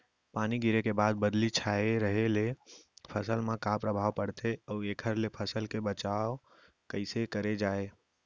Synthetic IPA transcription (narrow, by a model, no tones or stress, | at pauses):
paniɡiɾekebad̪̚bəd̪lit͡ʃʰaeɾəɦelepʰəsəlmekapɾəbʱaʋpəɽt̪ʰeəuekʰəɾlepʰəsəlkebət͡ʃao | kəɪsekəɾed͡ʒae